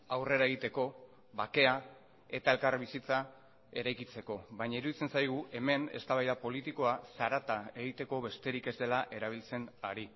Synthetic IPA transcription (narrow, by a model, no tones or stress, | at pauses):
awre̞ɾae̞ɣ̞it̪e̞ko̞ | βake̞a | e̞t̪ae̞lkarβisit͡sa | e̞ɾajkit͡se̞ko̞βajɲaiɾuðit͡se̞nsajɣ̞ue̞me̞ne̞̰st̪aβajðapo̞lit̪iko̞asaɾat̪ae̞ɣ̞it̪e̞ko̞βe̞st̪e̞ɾike̞zd̪e̞laʔe̞ɾaβ̞ilt͡se̞naɾi